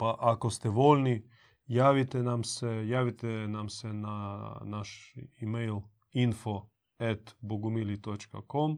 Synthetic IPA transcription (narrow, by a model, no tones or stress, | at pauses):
paʔakost̪ɛʋolʲni | jaːʋit̪ɛnamsɛjaːʋit̪ɛnamsɛnanaʃimejl | info | ɛt̪boɡumilit̪ot͡ʃka̰kom